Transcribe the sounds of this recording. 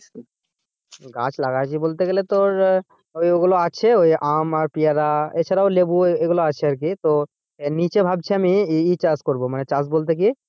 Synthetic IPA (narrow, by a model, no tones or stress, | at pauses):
ɡa̰t͡ɕʰlaɡaekibolt̪eɡelet̪oɾ | ojoɡuloat͡ɕʰeojʔamaɾpijaɾaet͡ɕʰaɾaolebueɡuloat͡ɕʰeaɾk̬it̪o | nit͡ɕebʱab̚t͡ɕʰeamiit͡ɕaskoɾbomanet͡ɕasbolt̪̬ek̬i